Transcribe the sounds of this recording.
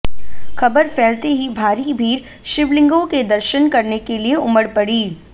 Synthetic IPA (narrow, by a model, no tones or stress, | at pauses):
xɐbəɾfɛːlt̪eɦibʱaːɾibʱiːɾ | ʃɪʋlɪ̃ŋɡõked̪ɐɾʃənkɐɾnekelieʊməɾpɐɽiː